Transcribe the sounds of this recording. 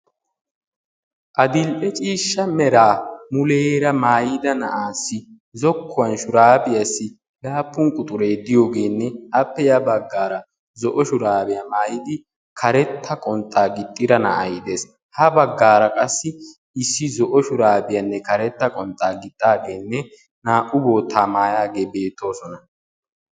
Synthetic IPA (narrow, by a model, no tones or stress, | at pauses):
ʔɐd̪ɪlpʼɛt͡ʃʼiːʃːɐmɛɾaːmʊleːɾɐmaːjɪd̪ɐnɐʔaːsːɪ | zɔkʰːʊwɐnʃʊɾaːbɪjɐsːɪ | laːpːʊŋkʼʊt̪ʼʊɾeːd̪ɪjo̞ːɡe̞ːnːɛʔɐpːɛjɐbɐɡːaːɾɐ | zɔʔɔʃʊɾaːbɪjɐmaːjɪd̪ɪ | kʰɐɾɛt̪ʰːɐkʼɔnt̪ʼːaːɡɪt̪ʼːɪd̪ɐnɐ̰ʔɐ̰jɪd̪e̞ːs | hɐbɐɡːaːɾɐkʼɐsːɪ | ɪsːɪzɔʔɔʃʊɾaːbɪjɐnːɛkɐɾɛt̪ːɐkʼɔnt̪ʼːaːɡɪt̪ʼːaːɡe̞ːnːɛ | naːʔʊbo̞ːt̪ːaːmaːjaːɡe̞ːbe̞ːt̪ʰːo̞ːsɔnɐ